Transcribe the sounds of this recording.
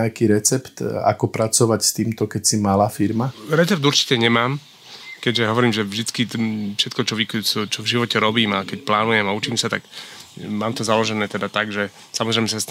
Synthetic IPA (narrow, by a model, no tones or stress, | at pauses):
akiːɾɛt͡sɛpt̪a̰kɔpɾat͡sɔʋacst̪iːmt̪ɔkɛcsimalaːfiɾmaɾɛt͡sɛp̚d̪uɾt͡ʃi̥cɛɲɛmaːm | kɛɟʒɛɦɔʋɔɾiːmʒɛvʒd̪it͡skifʃɛt̪kɔt͡ʃɔʋikɔt͡ʃɔvʒiʋɔcɛɾɔbiːmakɛcplaːnujɛmaut͡ʃiːmsat̪ak | maːmt̪ɔzalɔʒɛnɛːt̪ɛd̪at̪aɡʒɛ | samɔzɾɛɪjmɛsas